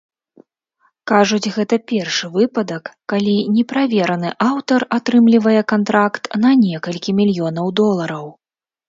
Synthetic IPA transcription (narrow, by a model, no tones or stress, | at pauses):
kaʐud͡zʲɣɛt̪ɐpʲɛrʂɨvɨpɐd̪ɐkːalʲinʲɛpɾavʲɛɾɐnɨʔawt̪ɐrat̪ɾɨmlʲivɐjɛkant̪ɾakt̪nɐnʲɛkɐlʲkʲimʲilʲjɔn̪ɐwd̪ɔlˠɐɾɐw